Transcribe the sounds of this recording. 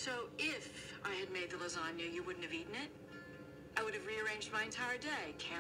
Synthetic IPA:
soʊɪfaɪɨd̚meɪd̪̚ðələzɑ̃njʉjɨwʊdⁿn̩tɨviʔn̩ɪt̚ | aɪwʊɾɨvɹiə˞ẽɪ̃nd͡ʒd̚maɪɨ̃ntʰaɪə˞deɪkʰæ̃

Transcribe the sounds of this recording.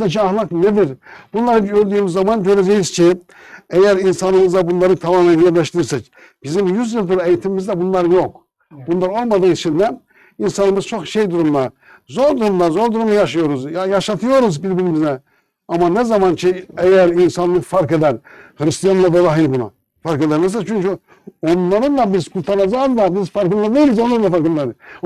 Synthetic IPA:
ɛciaxlˠakned̪iɾb̥unlˠaɾɯølʲd̪yjːmizːamanɟø̞ɾed͡ʒejizcʰi | ejæɾinsanɯmɯzd̪abunlˠaɾɯt̪ʰamaːmænjæɾlʲæʃt̪ʰiɾiɾsɛc | b̥izimjyzjilˠd̪uɾejit̪ʰimimizd̪ɛbunlˠaɾɯjo̞k | bunlˠaɾo̞lˠmad̪ɯːit͡ʃʰind̪ɛ | insanɯmɯz̥t͡ʃʰoxʃejd̪uɾumlˠa | zo̞ɾd̪uɾumlˠazo̞ɾd̪uɾumlajaʃ̬ajo̞ɾuzjajaʃat̪ʰɯjo̞ɾuzbiɾbiɾimiznɛ | amanɛzamancʰiɛjæɾinsanlːˠɯfaɾked̪ænhɾist̪ijanlˠavɛd̪aɦinbuna̰ | faɾked̪ænːiɾs̬at͡ʃʰyɲʲcʰy | o̞nlˠaɾɯnd̪abizkʰult̪ʰanad͡ʒazd̪ˠabizfaɾkɯlːˠad̪ɯjnizo̞nlˠaɾɯnˠafaɾkɯnlːˠaɾ

